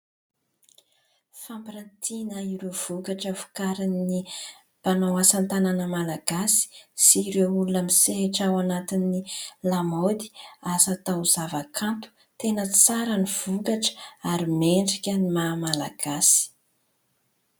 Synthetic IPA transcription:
fampiɾant̪ʰinəiɾuv̥ukaʈ͡ʂəfu̥kaɾinni | panawasant̪ananəmalaɡ̥asi̥siɾeulunamiseɦeʈ͡ʂawanat̪inːilamod̪i̥asat̪awuzavakʰant̪u̥ | t̪enət͡saɾəniv̥ukaʈ͡ʂə̥aɾimeɳɖ͡ʐikʲənimamalaɡ̥asi̥

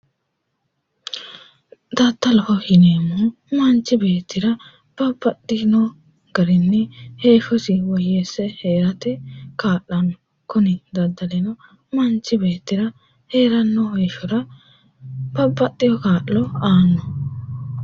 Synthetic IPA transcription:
d̪ɐt̪ːɐlɔfɔhɪneːmu | mɐnt͡ʃːɪbe̞ːt̪ʰːɪɾɐ | b̥ɐbːɐt̪ːɪnɔ | ɡ̥ɐɾɪnːɛheːfɔsɪwɔjeːsːɛheːɾɐt̪ɛkaːʔːɐn | kʊnɪd̪ɐd̪ːɐlɛnɔ | mɐnt͡ʃːɪbe̞ːt̪ːɪɾɐ | he̞ːɾɐnːɔheʃɔɾɐ | b̥ɐbːɐt̪ʼːɪjɔkaːʔːɔaːnːɔ

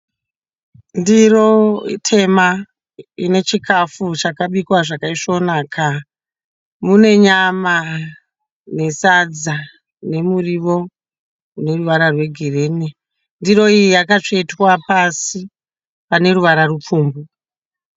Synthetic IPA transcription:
ndiro̞tʰe̞ma | ine̞t͡ʃikʰafut͡ʃakaɓikwaʐakaiʂo̞naːkʰa | mune̞ɲama | ne̞sad͡za | ne̞muriʋo̞ | une̞ruʋaɾarwe̞ɡʱirene | ndiɾo̞iijakat͡ʂeitwapasi | pane̞ɾuʋaɾarup͡fuːmbu

